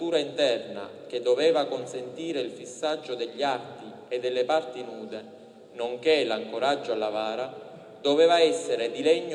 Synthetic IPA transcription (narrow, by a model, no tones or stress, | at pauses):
t̪uːɾaint̪ɛrna̰k̟ed̪ːovɛːvakonsent̪iːɾeilfisːad͡ʒːod̪eʎːiart̪i | ed̪ːelːepart̪inuːd̪e | noŋk̟elaŋkoɾad͡ʒːoalːavaːɾa | d̪ovɛːvaɛsːeɾed̪ilɛɲː